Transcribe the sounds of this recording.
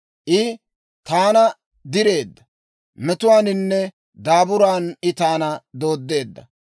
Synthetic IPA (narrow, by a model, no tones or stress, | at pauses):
ʔɪ | t̪aːnɐ | d̪ɪɾe̞ːd̪ːɐ | mɛt̪ʊwaːnɪnːɛ | d̪aːbʊɾaːnɪt̪aːnɐd̪o̞ːd̪ːe̞ːd̪ːɐ̰